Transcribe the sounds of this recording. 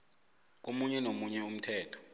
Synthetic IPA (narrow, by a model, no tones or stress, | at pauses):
k̬omuɲɛnomuɲɛum̩tʰɛːtʰɔ̥